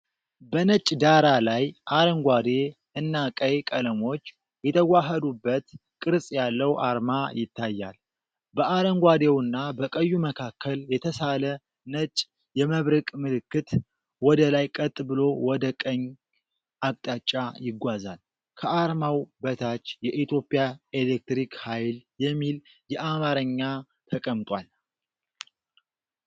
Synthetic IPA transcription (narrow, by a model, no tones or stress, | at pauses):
bənət͡ʃʼd̪aɾalajʔaɾəŋɡʷad̪e | ɨnːakʼəjkʼələmo̞t͡ʃː | jɛt̪ʰəɡʷaɦəd̪ubːət̪ | kʼɨɾsʼjalːəwʔaɾmajɪt̪ʰːajːa̰l | bəʔaɾəŋɡʷad̪ewɨnːabəkʼəjːuməkʰakʰːəljɛt̪ʰəsalə | nət͡ʃʼ | jɛməβɾɨkʼmɨlɨkːɨt̪ | wɔd̪əlajkʼət̪ʼːbɨlo̞wɔd̪əkʼəɲː | ʔakʼt̪ʼat͡ʃʼːajɪɡʷazal | kʰəʔaɾmawbət̪ʰat͡ʃːjɛʔit̪jo̞pʼjae̞lek̚t̪ɾikhajljɛmːil | jɛʔamaɾəɲːa | t̪ʰəkʼəmt̪ʼwal